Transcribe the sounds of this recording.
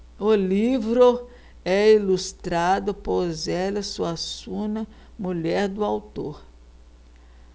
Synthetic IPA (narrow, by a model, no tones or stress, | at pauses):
ʊlivɾʊ | ɛilust̪ɾad̪ʊpozɛlɐsuasũnɐ | muʎɛɾd̪ʊawt̪oɾ